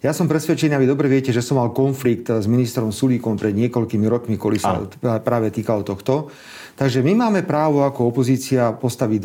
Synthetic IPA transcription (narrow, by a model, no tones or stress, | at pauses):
jasɔmpɾɛsʋɛt͡ʃɛniaʋid̪ɔbɾɛʋɪɛcɛʒɛsɔmːalkɔnflikt̪zminist̪ɾɔmsuliːkɔmpɾɛd̪ɲɪɛkɔʎkimiɾɔkmikɔlisa̰pɾaːʋɛt̪iːkalɔt̪ɔxt̪ɔ | t̪aɡʒɛmimaːmɛpɾaːʋɔakɔɔpɔziːt͡siapɔst̪aʋid̪